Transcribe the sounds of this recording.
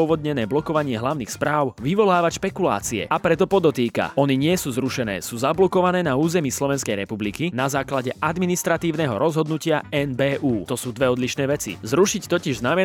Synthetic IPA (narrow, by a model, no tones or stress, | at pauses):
ɔʋɔd̪ɲɛnɛːblɔkɔʋaɲɪɛɦlaʊniːxspɾaːʊʋiʋɔlaːʋacʃpɛkula̰ːt͡siɛ̰apɾɛt̪ɔpɔd̪ɔt̪iːka̰ɔniɲɪɛsuːzɾuʃɛnɛ̰ːsuːzablɔkɔʋanɛːnauːzɛmiːslɔʋɛnskɛjɾɛpublikinazaːklaɟɛʔad̪minist̪ɾat̪iːʊnɛɦɔɾɔzɦɔd̪nucɪaɛnbɛːʔuːt̪ɔsuːd̪ʋɛɔd̪liʃnɛːʋɛt͡sḭzɾuʃict̪ɔciʒznamɛ